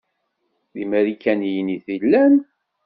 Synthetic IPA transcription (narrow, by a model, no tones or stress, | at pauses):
ðimæɾikːænjəniθilːæn